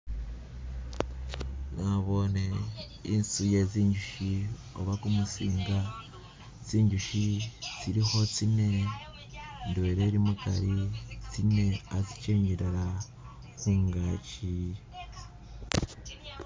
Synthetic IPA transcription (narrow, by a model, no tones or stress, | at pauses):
naβo̞ne | insuje̞ziːɲɟuʃi | o̰βakumusiːŋɡa | t͡siːɲɟuʃit͡siɾiho̞t͡sine̞ | ndweɾeɾimuta̰ɾit͡sine̞aziceːɲɟiɾaɾa | huːŋɡaci